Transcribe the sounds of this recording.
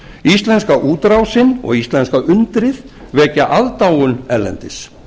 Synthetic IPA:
ist̪lɛnskaʔuːt̪ɾawsɪnɔ̰ɣist̪lɛnskaʔʏnt̪ɾɪð | vɛːcaʔaðt̪aːwʏnɛlːɛ̰nt̪ɪs

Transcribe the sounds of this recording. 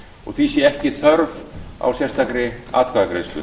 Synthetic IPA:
ɔɣθisjɛɛhcɪθœɾva̰wsjɛst̪ʰakɾɪa̰ːt̪kʰaðakɾḛːðst̪ʏ̰

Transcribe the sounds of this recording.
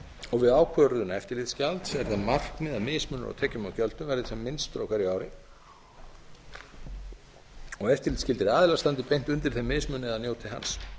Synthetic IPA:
ɔɣvɪðaːwkʰœɾʏðʏnaɛft̪ɪɾlɪt̪scalt̪sɛɾ̥θamar̥knɪðamɪðsmœnʏ̰ɾa̰wt̪ʰɛːcʏmawcœl̥t̪ʏmvɛɾðɪsɛmːɪnst̪ɾowkaɾijaːwɾɪ | ɔɣɛft̪ɪɾlɪt̪scɪlt̪ɪɾaːðɪlast̪ant̪ɪpejn̥t̪ʏnt̪ɪɾ̥θemɪðsmʏnɪɛðanjoːwt̪ʰɪɦa̰ns

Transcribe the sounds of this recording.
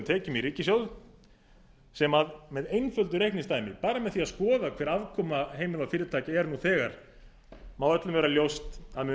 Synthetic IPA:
mt̪ʰɛːcʏmiɾiːcɪsjowð | sɛmaðmɛðejnfœlt̪ʏɾehknɪnst̪aːjmɪ̰paːɾamɛðθiaðskɔːðakʰvɛːɾavkʰɔːmaɦeːjmɪlafɪːɾɪt̪ʰaːcaɛɾnuθɛːɣaɾ̥ | mawœt̪lʏmvɛːɾaljowst̪aðmɛ

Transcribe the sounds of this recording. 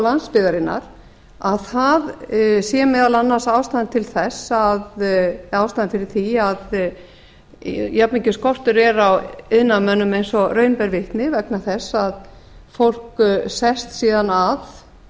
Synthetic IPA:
lanspɪðaɾɪnːa̰ɾ̥ | aðθaðsjɛmɛːðalanːasaːwst̪aðnt̪ʰɪlθɛsaðaːwst̪aːðɪnfɪɾɪɾ̥θiað | japnɪɲcɪskɔr̥t̪ʏɾɛɾawɪðnamœnːʏmejnsɔrœɥnpɛɾvɪht̪nɪvɛknaθɛsːað | fowl̥ksɛst̪siːðanað

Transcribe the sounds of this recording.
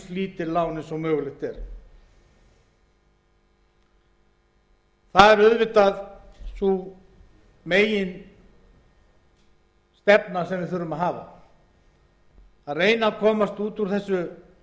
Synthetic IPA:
liːt̪ɪɾlaːwnɪsɔwmœːɣʏlɪxt̪ɛɾ̥ | θaðɛɾʏðvɪt̪aðsu | meːjɪn | st̪ɛpnasɛmvɪðθʏɾʏmaðɦaːva̰ | aðreːjnakʰɔːmast̪uːt̪uɾ̥θɛsːʏ

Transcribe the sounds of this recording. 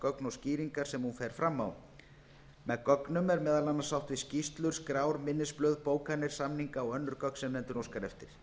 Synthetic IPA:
kœknɔsciːɾiŋkaɾ̥sɛmhunfɛjɾ̥fɾamːaw | mɛðkœknʏmɛɾmɛːðalanːḁsawht̪vɪscist̪lʏɾ̥skɾaːwɾmɪnːɪsplœɥðpoːwkʰanɪɾ̥samniŋkaɔɣœnːʏɾkœkn̥sɛmnɛnt̪ʏnowskaɾɛft̪ɪɾ̥

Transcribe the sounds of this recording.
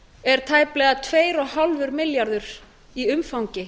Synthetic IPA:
ɛɾ̥t̪ʰaːjplɛːɣat̪ʰveːjɾɔɣɦalvʏɾmɪljaɾðʏɾ | iʏmfawɲcɪ

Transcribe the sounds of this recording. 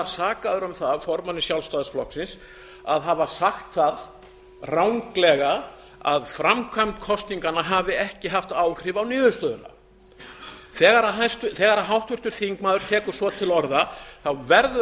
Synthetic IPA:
aɾ̥saːkaðʏɾʏmθaðfɔɾmanːɪsjawlst̪aːðasflɔhksɪns | a̰ðɦavasaxt̪θað | rawŋklɛɣa | a̰ðfɾamkʰvam̥t̪kʰɔst̪niŋkanaɦavɪɛhcɪɦaft̪aːwr̥ɪvawnɪːðʏst̪œːðʏna̰ | θɛːɣaɾaɦaj̪st̪θɛːɣaɾaɦawht̪vʏr̥t̪ʏɾ̥θiŋkmaːðʏɾ̥t̪ʰɛːkʏɾ̥svɔt̪ʰɪlɔɾðaθawvɛɾðʏ

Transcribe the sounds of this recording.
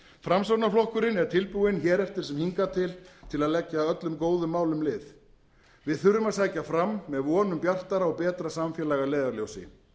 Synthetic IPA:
fɾamsaw̪naflɔhkʏɾɪnɛɾ̥t̪ʰɪlpuwɪnçɛːɾɛft̪ɪɾsɛmhiŋkat̪ʰɪlt̪ʰɪlaðlɛcːaœt̪lʏmkoːwðʏmːaːwlʏmlɪːθ | vɪðθʏɾʏmaðsaːjcafɾamːɛðvɔːnʏmpjar̥t̪aɾaɔpɛːt̪ɾasamfjɛlajɣalɛːðaɾlowsɪ̰

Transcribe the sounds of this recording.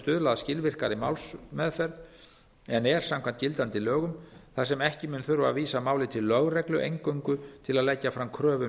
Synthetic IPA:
st̪ʏðlaːðascɪlvɪr̥kaɾɪma̰ːwlsmɛðfɛɾð | ɛnɛɾ̥samkʰant̪cɪlt̪ant̪ɪlœːɣʏmθas̬ɛmɛhcɪmʏːnθʏɾva̰ðviːsamaːwlɪt̪ʰɪlːœɣrɛklʏʔejŋkœɥŋkʏt̪ʰɪlaðleːjcːafɾamkʰɾœːvʏ

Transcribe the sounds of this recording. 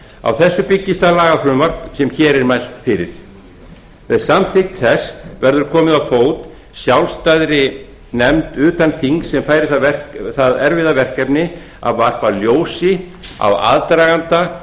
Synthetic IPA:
a̰wθɛsːʏpɪcːɪst̪alaːɣafɾʏːmaɾ̥t̪nsɛmçɛːɾɛɾmajl̥t̪fɪɾɪ̰ɾ̥ | ɛðsamθɪxt̪θɛsvɛɾðʏɾ̥kʰɔːmɪðawfoːwt̪ | sjawlst̪ajðɾɪ | nɛmt̪ʏːt̪anθiŋksːɛmfaːjɾɪθavɛrθaðɛɾvɪðavɛr̥kɛpnɪ | a̰vːar̥paljoːwsɪ | a̰wa̰ðt̪ɾaɣant̪a

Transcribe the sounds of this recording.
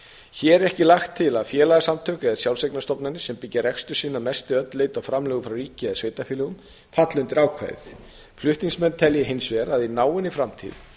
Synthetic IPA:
çɛɾɛhcɪlaxt̪ʰːɪlaðfjɛːlaɣasamt̪ʰœːkɛðasjaw̪sejknast̪ɔpnanɪsɛmpɪcːɪɾɛkst̪ʏ̥siːnamɛst̪ɪœt̪leːjt̪afɾamlœːɣʏfɾawɾiːcɪɛðsveːjt̪afilɪɣʏm | fat̪lʏnt̪ɪɾaːwkʰva̰ːjθ | flʏht̪niŋsmɛnːt̪ʰɛljɪɦɪnsvɛːɾaðinaːwɪnɪfɾamt̪ʰḭːð

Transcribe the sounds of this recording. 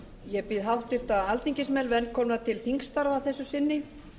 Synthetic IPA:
jɛpɪðɦawht̪ɪɾ̥t̪aalθiɲcɪsmɛlvɛnːkʰɔːmat̪ʰɪlθiŋkst̪aɾvaθɛsːʏsɪnːɪ

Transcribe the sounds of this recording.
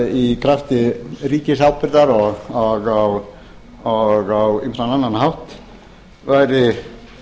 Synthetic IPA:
ikʰɾaft̪ɪriːcɪsawpɪɾðaɾɔɣɔɣaw | ɔɣawimsɾananːanɦawht̪ | vajɾɪ

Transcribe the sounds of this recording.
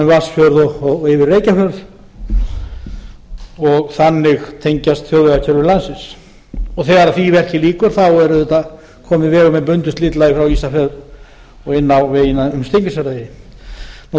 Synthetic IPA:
vasfjœɾðɔɪvɪɾreːjcafjœɾð | ɔɣθanːɪɣt̪ʰejɲcast̪θjowðvɛacʰɛɾvɪɾlansɪns | ɔθɛːɣaɾaðθivɛr̥cɪliːkʏɾ̥θawɛɾʏðɛt̪a | kʰɔːmɪvɛːɣʏmɛpʏnt̪ʏst̪lɪt̪lajɪfɾawiːsafɛðɾ | ɔɣɪnːawveːjɪnaʏmst̪ejɲcʏsɛɾajɪ | n

